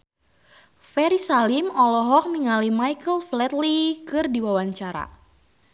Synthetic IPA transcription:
fɛɾisalimɔlɔɦɔk̚miŋalimajkəlflɛt̪likɨrdiwawaɲt͡ʃaɾa̰

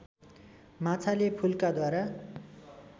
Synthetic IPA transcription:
mat͡sʰalepʰulkad̪waɾa

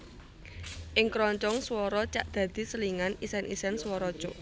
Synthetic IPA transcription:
ʔɪŋkɾɔɲt͡ʃɔŋswɔɾɔt͡ʃaʔd̪̥ä̤d̪̥i̤səliŋanisɛnʔḭsɛnswɔɾɔ̥ʒ̥ɔʔ

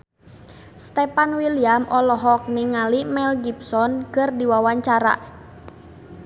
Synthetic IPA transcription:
st̪ɛpanwiliamʔɔlɔɦɔk̚niŋalimɛlɡipsɔnkɨrdiwawaɲt͡ʃaɾa̰

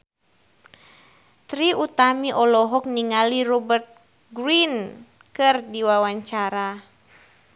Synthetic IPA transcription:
t̪ɾiut̪amiʔɔlɔɦɔk̚niŋaliɾɔbərt̪̚ | ɡɾin | kɨrdiwawaɲt͡ʃaɾa

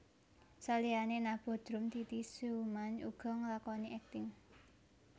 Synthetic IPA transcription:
salianenab̥ɔ̤d̪̥ɾʊmt̪it̪isumanṵɡ̥ɔ̤ŋəlakɔniʔɛk̚t̪ɪŋ

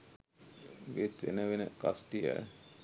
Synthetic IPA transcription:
ʋet̪ʋḛnəʋenəkasʈijə̰

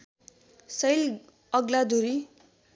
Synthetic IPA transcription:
sʌjl | ʌɡlad̪uɾi

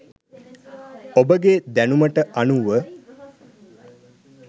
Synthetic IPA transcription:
obəɡed̪ænuməʈəʔanuʋə

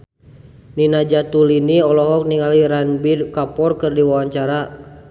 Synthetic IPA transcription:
ninad͡ʒat̪uliniɔlɔɦɔk̚niŋaliɾanbirkapɔrkɨrdiwawaɲt͡ʃaɾa

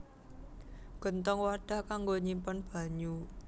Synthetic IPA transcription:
ɡ̥ɔ̤nt̪ɔŋwaɖ̥a̤hkaŋɡoɲimpɔnb̥a̤ɲu

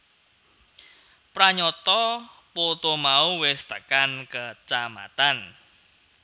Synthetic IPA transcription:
pɾaɲɔt̪ɔ | pot̪omauwɪst̪əkankət͡ʃama̰t̪an

